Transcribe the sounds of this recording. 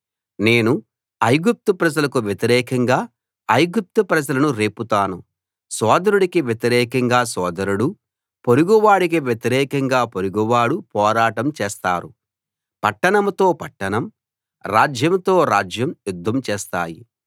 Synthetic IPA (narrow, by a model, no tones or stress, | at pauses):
ne̞ːnu | ɐjɡup̚t̪upɾɐd͡ʒɐlɐkuʋjet̪iɾɛːkɐŋɡaː | ɐjɡup̚t̪upɾɐd͡ʒɐlɐnuɾe̞ːput̪aːnu | sɔːd̪ɐɾuɽikiʋjet̪iɾɛːkɐŋɡaːsɔːd̪ɐɾuɽu | poɾuɡuʋaːɽikiʋjet̪iɾɛːkɐŋɡaːpoɾuɡuʋaːɽupɔːɾaːʈɐmt͡ʃɛːst̪a̰ːɾu | pɐʈːɐɳɐmt̪o̞ːpɐʈːɐnɐm | ɾaːd͡ʒjɐmt̪o̞ːɾaːd͡ʒjɐmjud̪ʱːɐmt͡ʃɛːst̪a̰ːjḭ